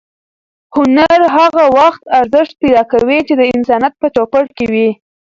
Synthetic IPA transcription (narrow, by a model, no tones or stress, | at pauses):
hʊnaɾɦaɣawaxt̪aɾzɪʃt̪̚pajd̪ɑkawit͡ʃed̪əɪnsɑnat̪̚pət͡ʃopəɽkewi